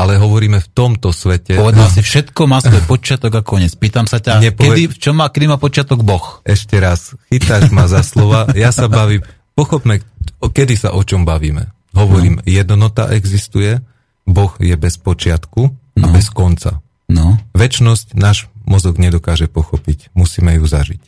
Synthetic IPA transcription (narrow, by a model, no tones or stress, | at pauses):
alɛɦɔʋɔɾiːmɛft̪ɔmt̪ɔsʋɛcɛɔʋɛdd̪alasifʃɛt̪kɔmaːsʋɔjpɔt͡ʃɪat̪ɔɡakɔɲɛt͡spiːt̪amsacaɲɛpɔɛd̪ift͡ʃɔmːakɛd̪imaːpɔt͡ʃɪat̪ɔɡbɔxɛʃcɛɾasxit̪aʃmazaslɔʋajasabaʋiːm | pɔxɔbmɛkɛd̪isa̰ʔɔt͡ʃɔmbaʋiːmɛ̰ | ɦɔʋɔɾiːmjɛd̪nɔt̪a̰ʔɛɡzist̪ujɛ | bɔɣjɛbɛspɔt͡ʃɪat̪kuabɛskɔnt͡sa̰ | nɔʋɛt͡ʃnɔscnaːʒmɔzɔɡɲɛd̪ɔkaːʒɛpɔxɔpicmusiːmɛjuzaʒic